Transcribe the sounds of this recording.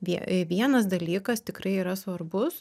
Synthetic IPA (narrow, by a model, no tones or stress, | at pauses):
ʋʲiɛʋʲiɛnɐs̬d̪ɐlʲiːkɐst̪ʲɪkrɐɪiːɾɐsʋɐrbʊs